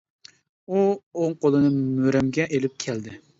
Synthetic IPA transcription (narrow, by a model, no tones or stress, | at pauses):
uoŋqʰolˠɨnɨmøɾɛmɡʲɛʔelɪp̚kʲʰɛld̪ɪ